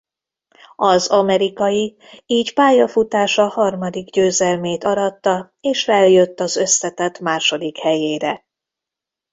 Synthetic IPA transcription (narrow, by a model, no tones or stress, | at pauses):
ɒzɒmɛɾikɒji | iːcpaːjɒfut̪aːʃɒhɒrmɒd̪iɡɟøːzɛlmeːt̪ɒɾɒt̪ːɒ | eːʃfɛljøt̪ːɒzø̞slɛt̪ɛt̪maːʃo̞d̪ikhɛjeːɾɛ